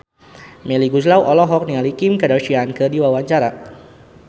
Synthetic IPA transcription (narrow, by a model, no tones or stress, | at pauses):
mɛliɡuslawʔɔlɔɦɔk̚niŋalikimkədaʃiankədiwawaɲt͡ʃaɾa